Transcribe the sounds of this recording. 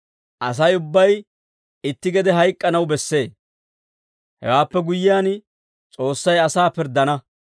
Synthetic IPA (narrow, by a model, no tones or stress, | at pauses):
ʔɐs̬ɐjʊbːɐj | ɪt̪ːɪɡɛd̪ɛɦɐjkʼːɐnɐwbɛsːe̞ː | hɛ̰waːpːɛɡʊjːɪjaːn | t͡sʼo̞ːsːɐjɐsaːpɪɾd̪ːɐnɐ